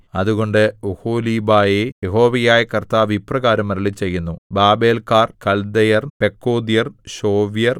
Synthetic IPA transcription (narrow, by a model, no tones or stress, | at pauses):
ɐðuɣo̞ɳɖɨuhoːliːbaːjejeɦo̞ːʋɐjaːjɐkɐrt̪aːʋiprɐɣaːɾɐmːɐɾɐɭit͡ɕe̞jːunːubaːbe̞ːlkaːrkɐld̪ɐjɐrpe̞kːoːd̪ijɐrɕo̞ːʋjɐr